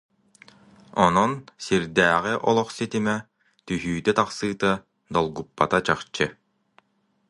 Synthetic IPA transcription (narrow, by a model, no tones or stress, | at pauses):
ɔnɔnsiɾd̪æːʁiʔɔlˠɔχsit̪imɛ | t̪yɦyːt̪ɛt̪aχsɯːt̪a | d̪ɔlˠɡupːa̰t̪at͡ɕaχt͡ɕɯ